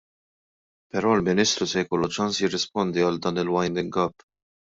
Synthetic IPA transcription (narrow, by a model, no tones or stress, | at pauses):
pɛɾɔːlmɪniːst̪ɾusɛjkɔlːut͡ʃɐnsjɪrːɪspɔnd̪iɐld̪ɐːnɪlwɐjnd̪ɪŋɡɐpː